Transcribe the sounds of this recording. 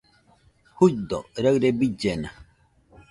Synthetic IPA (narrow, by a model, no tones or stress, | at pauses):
hud̪ɔ̰ɾaɰɾebid͡ʒena